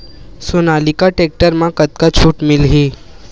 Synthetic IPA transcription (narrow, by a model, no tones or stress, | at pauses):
sonalikaʈek̚ʈəɾmãkət̪̚kat͡ɕʰuːʈmilɦi